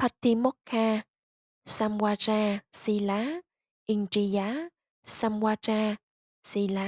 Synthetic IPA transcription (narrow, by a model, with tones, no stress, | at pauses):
pʰa˧˩t̪i˧mɔ˦˥kʰːaː˧ | saː˧mwaː˧t͡ɕaː˧si˧laː˨˦ | ʔi˧ŋt͡ɕi˧jaː˨˦˥ | sa˧mwaː˧t͡ɕaː˧ | si˧la˨˦